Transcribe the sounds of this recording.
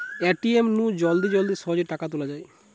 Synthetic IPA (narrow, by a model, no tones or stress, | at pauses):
eʈiemnũd͡ʑɔld̪id͡ʑɔld̪iɾʃɔɦod͡ʑeɾʈakat̪olad͡ʑae